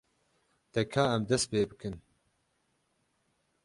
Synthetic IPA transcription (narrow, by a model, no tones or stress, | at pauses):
t̪ɛkʰaːɛmd̪ɛst̪̚peːbɨkɨn